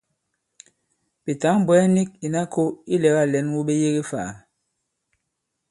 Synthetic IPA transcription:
bi˨ta˨˦m̩˦bwɛ˨˦ɛ˦ni˦k̚i˨na˦kʰo˦i˦lɛ˨˦ɣa˦˨lɛ˨˦nwu˦ɓe˦je˦ɣe˦fa̰˨

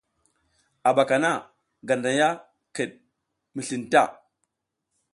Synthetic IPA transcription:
a˨ɓa˨ka˨na˦˨ | ɡa˨nda˨ja˦ | kə˨ɗ̚ | mi˨ɬi˨nta̰˦˨

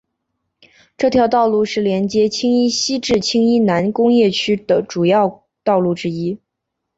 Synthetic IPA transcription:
ʈ͡ʂɤ˥˩t̪ʰjɑ˧˥ʊt̪ɑ˥˧ʊlu˥˧ʂɻ̩˥˩ljɛ˧˥nt͡ɕjɛ˥t͡ɕʰi˥ŋi˥ɕi˥ʈ͡ʂɻ̩˥˩t͡ɕʰi˥ŋi˥na˧˥nkʊ˥ŋjɛ˥˩t͡ɕʰy˥d̪̥ə˨ʈ͡ʂu˨˩jɑ˥˩ʊ | t̪ɑ˥˧ʊlu˥˩ʈ͡ʂɻ̩˥i˥

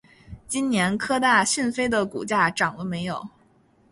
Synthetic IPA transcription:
t͡ɕi˥nnjɛ˧˥nkʰɤ˥t̪a˥˧ɕi˥˩nfe˥ɪd̪ə˨kṵ˨˩t͡ɕja˥˩ʈ͡ʂɑ˨˩ŋd̪ə˦me˧˥ɪjo˨˩˦ʊ

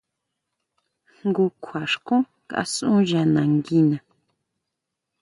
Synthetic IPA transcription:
ŋ˦ɡu˧kʷʰwa˨ʂkũ˦ | kaʔsũ˦ʒa˨nã˨ŋɡi˦nã˨

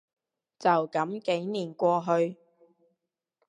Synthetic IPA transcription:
t͡sɐ˨wkɐ˨˥mke˨˥jniː˨˩nkʷɔː˧ɦɵ˧ɥ

